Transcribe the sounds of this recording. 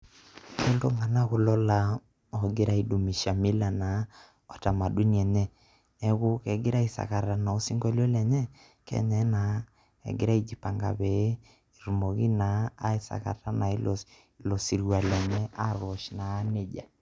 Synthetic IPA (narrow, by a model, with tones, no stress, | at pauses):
kɛ˦lo˦ŋa˨na˦ɣʊ˨lɔ˦la˦ | ɔ˨ɡɪ˦ɾa˦i˨du˨mi˨ʃa˨mi˦la˨na˨˦ | ɔ˨ta˨ma˨du˦n˦ɛ˨nɛ˦ | ɛ˦ɡʊ˦kɛ˨ɡɪ˦ɾa˦i˨sa̰˨ka˨ɾa˨na˨o˦si˦ŋɡɔ˦lɔ˦lɛ˨ɲɛ˦ | kɛ̰˦ɲɛ˨˦na˨˦ | ɛ̰˨ɡɪ˦ɾa˦i˨d͡ʒi˨pa˨ŋɡa̰˨βɛ˨˦ | i˨ɾu˨mo˨ɣi˦naː˨˦i˦˨sa̰˨ka̰˨ta˦na˨i˦l | lɔ˨si˨ɾwa˨lɛ˨ɲɛ˦a˦ɾɔ˨ʃnaː˨˦ne˦d͡ʒa̰˨